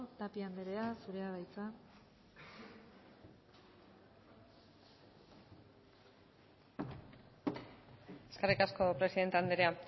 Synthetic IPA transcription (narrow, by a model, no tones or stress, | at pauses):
t̪apiand̪eɾe̞asuɾe̞aβajt͡sa | e̞skerikasko̞pɾe̞siðe̞nt̪eand̪eɾea